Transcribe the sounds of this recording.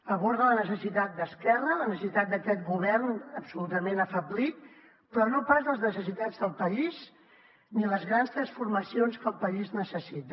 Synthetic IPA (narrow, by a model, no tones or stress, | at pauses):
əβɔɾðələnəsəsit̪at̪̚d̪əskɛrələnəsəsit̪at̪̚d̪əkɛt̪ɡuβ̞ɛrnəpsulut̪əmenəfəblit̪̚ | pɾɔnopazðəlˠznəsəs̬it̪ad͡zðəlˠpəiz | niləzɣɾanst̪ɾəsfurməsionskəlˠpəiznəsəsit̪ə